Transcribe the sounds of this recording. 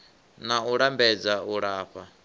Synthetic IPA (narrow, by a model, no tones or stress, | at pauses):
nauɺambɛd͡zauɺaːɸa